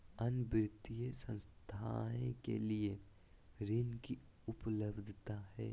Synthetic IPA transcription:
ɐnbɾɪt̪ijəsə̃nst̪ʰaːẽkḛlie | ɾɪnki | ʊpləbd̪ʱt̪ahɛː

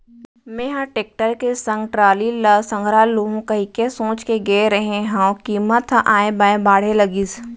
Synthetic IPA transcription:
mẽːɦãʈeːk̚ʈəɾkesɐ̃ŋɡʈɾaːlilɐsɐ̃ŋɡʱɾaːloːɦõkɐɦikesõːt͡ʃkeɡeeɾɐɦẽɦãkiːmət̪ʰʔaːẽbaːẽbaːɽ̤elɐɡiːs

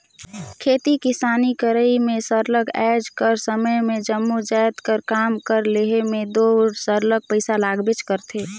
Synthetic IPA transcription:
kʰeːt̪ikisaːnikəɾəimẽsəɾləɡɛd͡ʒkəɾsəməjmed͡ʒəmːud͡ʒajt̪kəɾkaːmkəɾleɦemed̪oɾsəɾləɡ̚pəɪsalaːɡbet͡ʃkəɾt̪ʰe

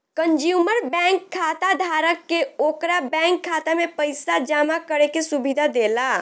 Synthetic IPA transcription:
kənd͡ʒjuməɾbɛ̃ŋkʰːat̪ad̪ʱaɾəkːeokɾabɛ̃ŋkʰːat̪amepəjsad͡ʒamakəɾekesubid̪ʱad̪ela

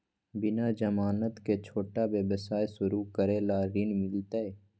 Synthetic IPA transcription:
bɪnad͡ʒəmaːnət̪ket͡ʃʰoːʈabjəbəsaːesʊɾukəɾelaːɾɪnmɪlt̪ae

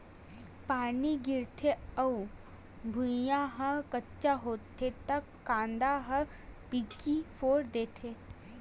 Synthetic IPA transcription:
paːniɡɪɾt̪ʰeɐu | bʱʊjãɦə̃kɐtːʃaɦoːt̪ʰːet̪ɐkːãːnd̪aɦɐ | piːkifʰoːɾd̪eːt̪ʰeː

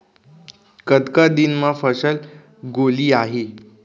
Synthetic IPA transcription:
kət̪kad̪inmafəsəl | ɡoliːaɦe

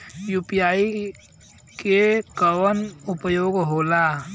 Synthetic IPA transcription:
juːpijaːi | kekəwənʊpəjoːɡɦoːla

